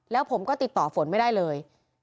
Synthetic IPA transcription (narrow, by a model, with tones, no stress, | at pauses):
lɛː˦˥wpʰo˩˦mkɔː˥˩t̪i˨˩t̪ːɔː˨˩fo˨˩˦nma˥˩jdaː˥˩jlɤː˧j